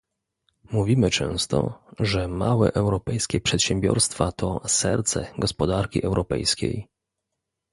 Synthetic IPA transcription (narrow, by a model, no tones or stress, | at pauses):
muvʲimɘt͡ʂɛ̃w̃st̪ɔ̰ʐɛmawɛ̰ʔɛwɾɔpɛjskʲɛpʂɛt̪ɕɛmbʲjɔ̰ɾst̪fat̪ɔsɛɾt̪sɛɡɔspɔd̪aɾkʲiʔɛwɾʔɔpɛ̰jskʲḛj